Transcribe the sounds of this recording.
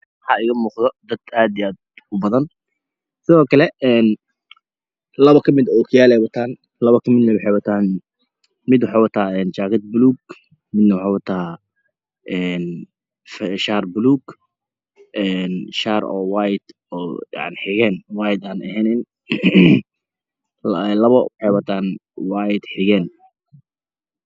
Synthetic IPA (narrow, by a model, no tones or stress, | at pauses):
hɐɪɣɐmuːqd̪ɔd̪ɐd̪aːd̪ɪjaːd̪ | ʊbɐðɐn | sɪðɔːkʰɐlɛɛːn | lɐβɐkʰɐmɪd̪ɔkʰʊjaːlɛjwɐt̪ʰaːn | lɐβɐkʰɐmɪd̪nɐwɑħɑjwɐt̪ʰaːn | mɪd̪wʊħaːwɐt̪ʰaːɛːnt͡ʃaːɣɐd̪̚bʊluːɡ | mɪd̪nɐwɑħɑwɐt̪ʰaː | ʔɛːn | fɛʃaːrbʊluːɡ | ɛːnʃaːɾɔ̰ːwaːjd̪ | ɔːja̰ʕnɪħɪɣɛːnwaːjɪd̪aːnɛ̰ɦɛnɪn | lɐβɐwɑħɛjwɐt̪ʰaːnwaːjɪd̪ħɪɣɛːn